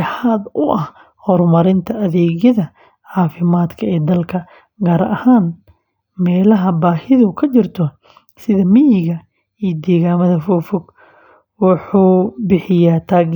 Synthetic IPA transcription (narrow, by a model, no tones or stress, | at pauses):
ħad̪ʊʔɐh | hɔrmɐɾɪnt̪ʰɐɐðɛːɣjɐðɐ | ʕɑːfɪmaːd̪kʰɐɛːd̪ɐlkʰɐ | ɡaːɾɐhaːn | mɛːlɐɦɐbaːhɪðʊkʰɐt͡ʃɪrt̪ʰɔ | sɪðɐmɪjɪɣɐ | iːjd̪iːɣaːmɐðɐfɔːfɔɡ | wɑħuːbɪħɪjaːt̪ʰaːɣ